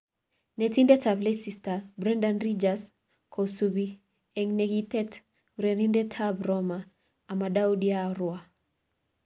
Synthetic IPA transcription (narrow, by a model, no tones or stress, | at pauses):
netindɛtablesistabɾɛndanrid͡ʒas | kʰosubi | ɛŋneɡit̪ɛt | uɾeɾindɛtʰabrɔmaː | madawdiaɾwa